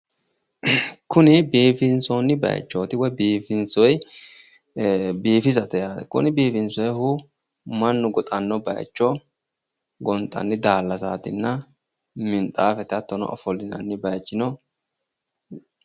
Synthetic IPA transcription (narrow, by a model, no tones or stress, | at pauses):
kʊnɪbiːfɪnsɔnːɪbɐ̰j̰t͡ʃːoːt̪ɪwɔjbiːfɪnsɔj | biːfɪzɐt̪ɛjakʊ̰nɪbiːfɪnsɔjɛhʊ | mɐnːʊɡɔt̪ʼɐnːɔbɐ̰j̰t͡ʃːɔ | ɡɔnt̪ʼɐ̰nːɪd̪aːlːɐsaːt̪ɪ̰nːɐ | mɪnt̪ʼaːfɛt̪ɐt̪ːɔnɔ̰ʔɔfɔlːɪnɐ̰nːɪbɐjt͡ʃːɪnɔ